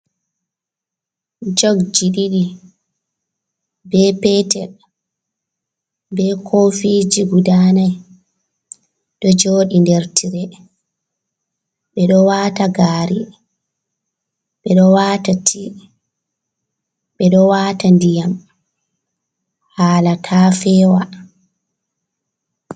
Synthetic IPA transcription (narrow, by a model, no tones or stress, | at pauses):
d͡ʒoɡd͡ʒiɗiɗi | bɛpɛtɛl | bɛkʰofid͡ʒiɡudanaj | ɗɔd͡ʒoːɗindeɾtʰiɾɛ | ɓɛɗɔwaːtaɡaːɾi | ɓɛɗɔwaːtatʰi | ɓɛɗɔwaːtandijam | haːlatʰaːfɛːwa